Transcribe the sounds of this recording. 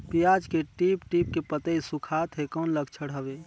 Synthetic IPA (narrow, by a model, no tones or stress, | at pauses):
pijad͡ʒkeʈipʈip̚kepət̪əisukʰat̪ɦekɔːnləɡt͡ʃʰəɽɦəbeː